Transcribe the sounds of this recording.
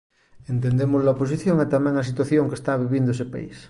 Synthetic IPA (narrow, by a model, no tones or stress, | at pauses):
ent̪end̪emozlaopos̬iθjoŋet̪amẽŋasit̪waθjoŋkest̪aβ̞iβind̪oesepa̰ḭs